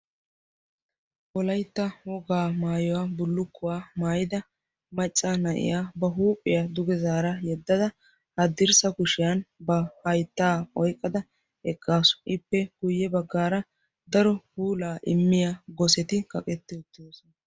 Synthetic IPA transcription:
ʔɔlɐjt̪ːɐwɔɡaːmaːjɔwaːbʊlːʊkːʊwaːmaːjɪd̪ɐ | mɐt͡ʃʼːɐnɐʔɪ̰jaːbɐɦuːpʼːɪjɐd̪ʊɡɛzaːɾɐjɛd̪ːɐd̪ɐ | hɐd̪ːɪɾsɐkʊʃɪjanbɐhɐjt̪ːaːɔjkʼːɐd̪ɐ | ɛkːaːsʊ̥ʔɪpːɛɡ̥ʊjːɛbɐɡːaːɾɐ | d̪ɐɾɔhuːlaːʔɪmːɪjaɡɔsɛt̪ɪkʼɐkʼɛt̪ːɪʊt̪ːɪj̪oːsɔnɐ

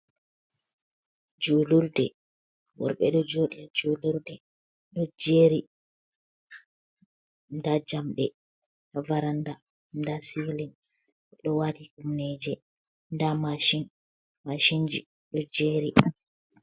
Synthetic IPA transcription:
d͡ʒuluɾdɛ | wɔ̰ɾɓɛ̰ɗɔd͡ʒoɗiad͡ʒuluɾdɛ | ɗɔd͡ʒeːɾi | ndad͡ʒamɗɛ | vaɾanda | ndasiwlin | ɗɔwadikumnɛd͡ʒɛ | ndamaʃin | maʃind͡ʒi | ɗɔd͡ʒeːɾi

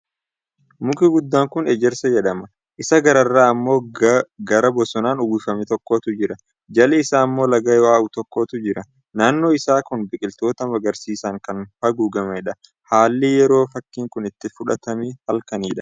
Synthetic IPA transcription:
mʊkɪɡʊd̪ːaːŋkʊnɛd͡ʒɛɾsɐjɛᶑɐmɐ | ʔɪsɐɡɐɾɐrːaːɐmːo̞ːɡɐɾɐbɔsɔnaːnʊɡiːfɐmɛt̪ɔkːoːt̪ʊd͡ʒɪɾɐ | d͡ʒɐlɛɪsaːɐmːo̞ːlɐɡɐjwaːʊt̪ɔkːo̞ːt̪ʊd͡ʒɪɾɐ | naːnːo̞ːɪsaːkʊnbɪkʼɪlt̪o̞ːt̪ɐmɐɡɐɾsiːsɐŋkɐnfɐɡuːɡɐmɛɛᶑɐ | haːlːɪjɛɾo̞ːfɐkːiːŋkʊnɪt̪ːɪfʊᶑɐt̪ɐmihɐlkɐniːᶑɐ

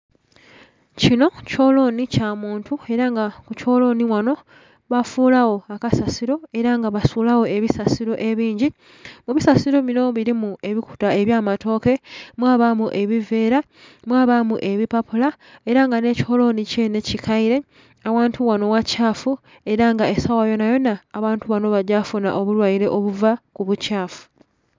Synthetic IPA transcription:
cino̞co̞ːlo̞nicamuːntʰue̞ɾaŋɡakuco̞ːlo̞niwano̞ | βafuːlawo̞akasasiɾo̞e̞ɾaŋɡaβasuːlawo̞e̞βisasiɾo̞ʔe̞βiːɲɟi | muβisasiɾo̞βino̞βiɾimue̞βiku̥tae̞βjaːmato̞ːke̞mwaːβamuʔe̞βive̞ːɾa | mwaːβamuʔe̞βipapula | e̞ɾaŋɡane̞ːci̥ho̞lo̞nice̞ne̞cikʰaiɾe̞ | awaːntʰuwano̞wacaːfu | e̞ɾaŋɡae̞sawajo̞najo̞naːβaːntuβano̞βaɟafuna̰ʔo̞βulwajiɾe̞ʔoβuvakuβucaːfu̥

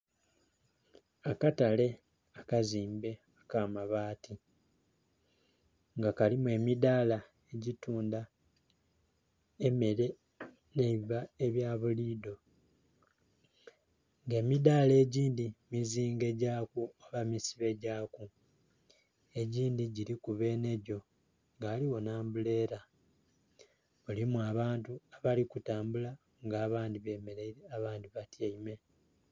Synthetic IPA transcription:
akatale̞ | akaziːmbe̞ | akaːmaβaːti | ŋɡakalimwe̞midaːla | e̞ɟituːnda | eme̞ɾe̞ | neβiβaeβjaːβuliːdo̞ | ŋɡe̞ːmidaːle̞ːɟiːndimiziːŋɡe̞ɟaːkuaβamisiβe̞ɟaːku | e̞ɟiːndiɟiɾikuβe̞ːne̞ɟo̞ | ŋɡaːliwo̞naːmbule̞ːɾa | βulimuaβaːntuaβalikutaːmbula | ŋɡaːβaːndiβe̞ːmeleiɾeaβaːndiβatjaime̞

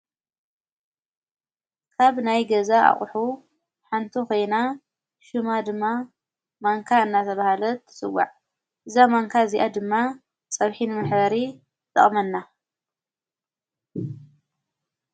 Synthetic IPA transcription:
kʰaβnajɡɐzaʔa̰χʼħu | ħant̪ʰuko̞jna | ʃɨmad̪ɨmːa | maŋkʰaɨnːat̪ʰɐβahalɐt̪ʰːsɨwa̰ʕ | ʔɨzamaŋkʰaziʔad̪ɨmːa | t͡sʼɐβħinɨmɨħβɐɾi | t̪ʼɨ̰χʼmɐnːa

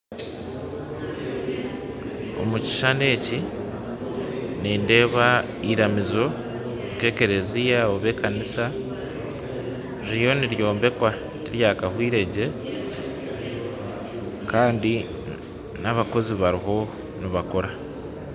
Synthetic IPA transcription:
o̞̰muci̥ʃane̞ːci | niːnde̞ːβa | iɾamizo̞ | ŋke̞ːke̞ɾe̞zijaoβe̞ːkanisa | ɾiijo̞niɾjo̞ːmbe̞kwa | niɾjaːkahwiːɾe̞ɟe̞ | kaːndi | naβako̞ziβaɾiɦo̞ | niβako̞ɾa

